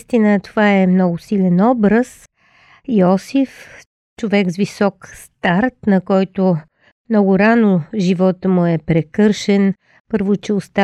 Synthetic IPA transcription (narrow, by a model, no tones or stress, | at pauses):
st̪inət̪ovaɛmnɔɡʊsilɛnɔbɾəs | iɔsif | t͡ʃovɛɡzvisɔkst̪aɾt̪nɐkɔjt̪o | mnɔɡʊɾanoʒivɔt̪əmʊɛpɾɛkɤɾʃɛn | pɤɾvʊt͡ʃɛost̪a